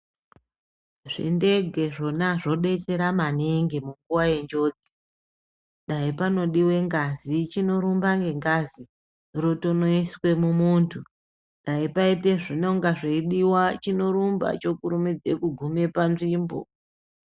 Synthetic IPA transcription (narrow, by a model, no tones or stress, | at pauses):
ʐ̥ḭnde̞ɡʱe̞ʐo̞naʐo̞ɗe̞t͡se̞ɾamaneŋɡemuŋɡuwaje̞ɲd͡ʒo̞ːd͡zi̥ | ɗaipano̞ɗiwe̞ŋɡazit͡ʃino̞ɾumbaŋɡe̞ŋɡaːzi | roto̞no̞iswe̞mumuːntʰu | ɗaipaite̞ʐino̞ŋɡaʐeiɗiwat͡ʃino̞ɾumba̰t͡ʃo̞kuɾumid͡zekuɡʱume̞panʐiːmbo̰